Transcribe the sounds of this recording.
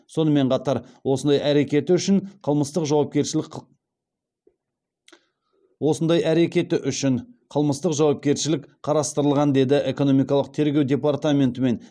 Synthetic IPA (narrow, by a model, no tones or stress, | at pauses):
so̞nəme̞ɴqʰɑt̪ɑɾwo̞sənd̪ɑjʔæɾe̞kʲe̞t̪ɪʏʃɪɴqʰəlˠməst̪əqʒɑwɑp̚kʲe̞ɾʃ | wo̞sənd̪ɑjæɾe̞kʲe̞t̪ɪʔʏʃɪɴqʰəlˠməst̪əqʒɑwɑp̚kʲe̞ɾʃɪlɪkqʰɑɾɑst̪əɾəlˠʁɑnd̪e̞d̪ɪʔe̞ko̞no̞mijkɑlˠəq̚t̪ʰe̞ɾɡʲe̞wd̪ʲe̞paɾt̪amʲe̞nt̪əme̞n